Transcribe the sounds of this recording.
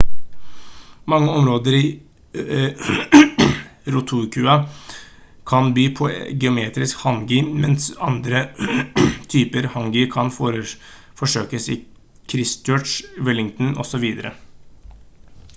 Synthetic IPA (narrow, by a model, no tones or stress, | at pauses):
mɑŋːəɔmɾoːd̪əɾiː | ɾʊt̪ʰuːɾkʰʉːɑ | kʰɑnbyːpʰɔɡɛʊmeːt̪ɾɪskhɑŋɡɪmɛnsɑnd̪ɾə | t̪ʰyːpəɾhɑŋɡɪkʰɑnfɾ | fɔʂøːkəsɪ̰ | kʰɾɪsøːʈʂʋɪlɪŋt̪n̩ɔ̰sɔʋiːd̪əɾə̰